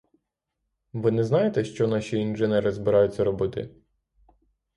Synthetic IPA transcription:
ʋɪnɛznɑjet̪ɛʃt͡ʃɔnɑʃʲiːnʒɪnɛɾɪzbɪɾɑjʊt͡sʲːɐɾɔbɪt̪ɪ̰

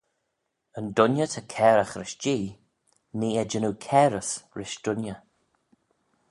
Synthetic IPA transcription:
əndʊnjətʰəkʰɛːɾəxɾɪʃd͡ʒiː | neːɛd͡ʒənuwkʰɛːɾəsɹɪʃd̥ʊnjə

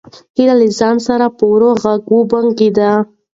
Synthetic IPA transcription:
hilalɪzɑnsaɾapəwɾoɣaɡubaŋɡed̪a

